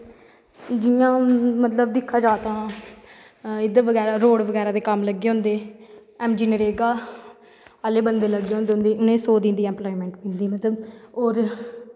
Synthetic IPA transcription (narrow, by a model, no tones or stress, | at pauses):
d͡ʒijãːmət̪ləb̚d̪ɪkʰːaːd͡ʒaːt̪ãː | ɪd̪əʋəɡɛːɾaːɾoːɽʋəɡɛːɾaːd̪eːkəmləɡːeːɦõːnd̪eː | ɛːmd͡ʒiːnəɾeːɡaː | əleːbənd̪eːləɡːeːɦõnd̪eːʊ̃ːnd̪eːʔʊnẽːsoːd̪ĩnd̪iːɛ̃ːmploːimɛ̃ːɳʈmɪ̃nd̪iːmət̪ləboːɾ